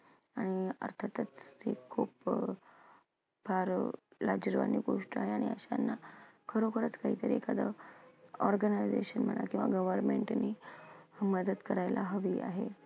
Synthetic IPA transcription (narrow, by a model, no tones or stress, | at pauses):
aɽ̃iə̰ɾt̪ʰat̪ət͡shḛkʰːuːp | baɾlad͡ʑəɾʋa̰nːiɡoʂʈəaɦeaɽ̃iəɕanːakʰəɾokəɾət͡skaɦiːt̪əɾiekad̪ə̰ | ɔɾɡənajd͡zeɕənm̤əɳ̃a̰kĩw̃ʋaɡəʋəɾmeɳʈni | məd̪əd̪kəɾajlaɦəʋia̰ɦe